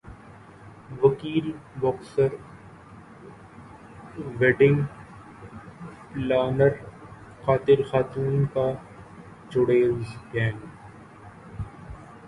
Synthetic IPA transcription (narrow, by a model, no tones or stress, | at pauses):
ʋɐkiːlbɔːksəɾ | ʋeːɖɪ̃ŋɡ | plaːnəɾ | xaːt̪ɪɾxaːt̪uːnka | d͡ʒʊɽeːzkɛːn